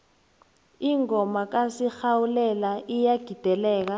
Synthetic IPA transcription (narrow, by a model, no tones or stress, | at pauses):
iŋɔmak̬asixawulɛlaijaɡ̥ʱid̥ʱɛlɛːk̬a